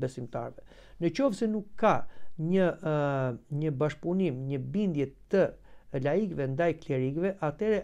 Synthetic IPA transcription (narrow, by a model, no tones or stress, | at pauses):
bɛsimt̪a̰ɾvɛ | nət͡ɕɔfsɛnukʰːaɲə | ɲəbaʃpunimɲəbind̪jɛt̪əlaikvɛnd̪ajklɛɾikvɛʔat̪ɛɾɛ